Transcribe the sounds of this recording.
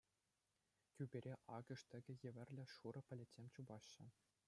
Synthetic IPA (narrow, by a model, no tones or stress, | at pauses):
kʲybʲeɾʲeʔɑɡɤ̆ʂt̪ʲɘ̆ɡʲɘ̆jɘ̆ʋʲɘ̆rʲlʲɘ̆ʂuɾɤ̆pʲɘ̆lʲĕtʲsʲemʲt͡ɕubɑɕːɘ̆